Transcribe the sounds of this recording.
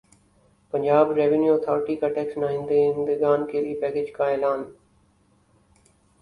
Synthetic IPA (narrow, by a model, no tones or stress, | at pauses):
pə̃ɲd͡ʑaːbɾeːʋɪnjuɔːt̪ʰɔːɾɪʈikaʈɛːksnaːɦɪ̃nd̪eɪnd̪ɪɡaːnkʰeːliːpɛːkeːd͡ʒkãːeːlaːn